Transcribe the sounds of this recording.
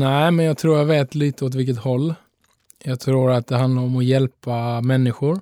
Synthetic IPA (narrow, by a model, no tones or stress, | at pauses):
næɪmɛnjɑːɡ̚t̪ʰɾuːɾjɑːɡveːt̪liːt̪əɔt̪vɪlkət̪hɔlː | jɑːɡt̪ʰɾuːɾat̪̚d̪ɛɦand̪laɾɔmɔjɛlpamɛnːɪɧʊɾ